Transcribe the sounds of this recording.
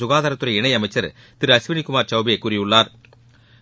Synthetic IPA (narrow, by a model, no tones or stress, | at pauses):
sʊɣaːðaːɾɐt̪ːɯɾɐɪɳɐɪɐmɐɪt͡ʃːɐɾ | t̪ɪɾɐsʋɪnikːʊmaːɾt͡ʃɐwbɪjekːuːɾɪjɯɭːaːɾ